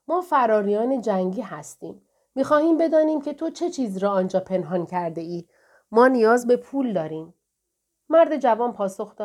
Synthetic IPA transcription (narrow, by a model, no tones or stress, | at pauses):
mɒːfæɾɒːɾijɒːne̞d͡ʒæŋɟiːhæst̪ḭːmː | iːxɒːhiːmbe̞d̪ɒːniːmcʰe̞t̪ʰo̞t͡ʃʰe̞t͡ʃʰiːziɾɒːnd͡ʒɒːpʰe̞nɦɒncʰæɾd̪e̞iː | mɒːnijɒːzbe̞pʰuːld̪ɒːɾiːmː | æɾd̪e̞d͡ʒævɒːnpʰɒːso̞xd̪ɒː